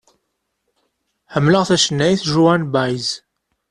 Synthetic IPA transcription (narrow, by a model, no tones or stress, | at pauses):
ħəmːləʁθæʃənːæjθʒuænbajz